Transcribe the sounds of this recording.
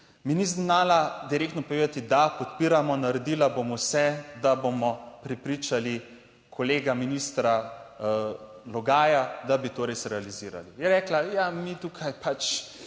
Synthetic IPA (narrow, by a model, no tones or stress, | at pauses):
miniznaːlad̪iɾeːkt̪nɔpoɔʋeːd̪at̪id̪apɔt̪piːɾamɔnaɾɛd̪iːlabomɔsɛd̪abomɔpɾɛpɾiːt͡ʃali | kʰoleːɡaminiːst̪ɾa | lɔɡaːjad̪abit̪oːɾesɾɛaliziːɾa̰lijɛɾɛːklajamit̪uːkʰajpat͡ʃ